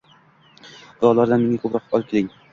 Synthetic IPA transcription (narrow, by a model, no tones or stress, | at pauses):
b̥ʊɾɒlˠaɾd̪anme̞ŋakʰʊpɾɒqɒlˠɪp̚kʲʰelɪŋ